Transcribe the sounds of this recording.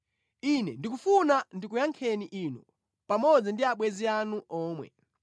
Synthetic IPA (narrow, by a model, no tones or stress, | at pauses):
inɛndik̬ufunandikujaŋkʰɛniʔiːnɔ | pamɔd͡zindiaɓwɛzianuʔɔːmwɛ̰